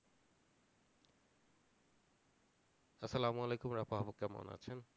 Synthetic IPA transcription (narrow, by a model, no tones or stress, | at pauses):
ɐsɐlamualejkumɾapaɦabokːamo̰na̰t͡ɕʰen